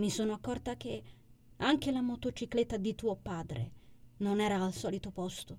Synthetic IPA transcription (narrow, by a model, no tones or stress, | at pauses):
misoːnoakːɔrt̪ak̟e | aŋk̟elamot̪ot͡ʃiklet̪ːad̪it̪uːopaːd̪ɾḛnonɛːɾaːlsɔːlit̪opɔst̪o